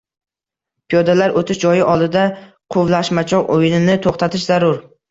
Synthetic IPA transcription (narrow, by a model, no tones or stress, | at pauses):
pʰijod̪alaɾʔot̪ʰɪʃd͡ʒɒjɪʔɒlˠd̪ɪd̪a | qʰʊvlˠaʃmat͡ʃʰɒʁojɪnɪnɪt̪ʰoχt̪ʰat̪ʰɪʃzaɾʊɾ